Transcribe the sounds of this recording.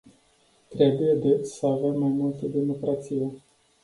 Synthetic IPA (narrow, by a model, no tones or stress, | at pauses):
t̪ɾe̞buje̞d̪esəave̞mːajmult̪əd̪emo̞kɾat̪sije̞